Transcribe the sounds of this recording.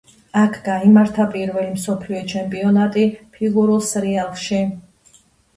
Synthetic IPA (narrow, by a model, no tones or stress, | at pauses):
akʰɡaimaɾt̪ʰapʼiɾvɛlimsɔpʰliɔt͡ʃʰɛmpʼiɔnat̪ʼipʰiɡuɾulˠsɾialˠʃi